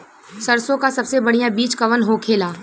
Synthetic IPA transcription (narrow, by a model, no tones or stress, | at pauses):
sɐɾsõkasɐbsebɐɽijãbiːt͡ʃkɐʋənɦokʰeːlaː